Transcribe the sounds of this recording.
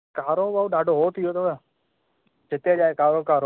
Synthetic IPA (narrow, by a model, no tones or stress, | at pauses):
kaːɾoːbauɗaːɖʱoːɦoːt̪ʰɪjoːt̪oːe | d͡ʒɪt̪eːd͡ʒaːekaːɾoːkaːɾo